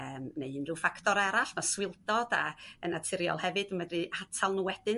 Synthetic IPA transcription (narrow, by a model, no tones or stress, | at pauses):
əːmneɨnrɨːfaktʰɔɾɛɾaɬmaswɪlˠdɔd̥a̰ənatʰɪɾjɔ̰lˠhɛvɨdəmədrɨatʰalˠnuwɛd̥ɨn